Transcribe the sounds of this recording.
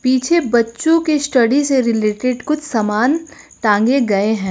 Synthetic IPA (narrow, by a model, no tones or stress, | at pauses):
piːt͡ʃʰebɐtːʃõkesʈɐɖiseɾɪleːʈɪɖkʊt͡ʃʰsɐmaːn | ʈãːŋɡeɡɐeɦɛ̃ː